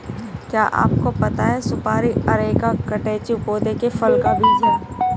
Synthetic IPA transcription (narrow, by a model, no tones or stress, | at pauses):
kjaːʔa̰ːp̚kopɐt̪aɦɛsʊpaːɾiɐɾeːkakɐʈeːt͡ʃiʊpoːd̪ekefɐlkabʱiːd͡ʒa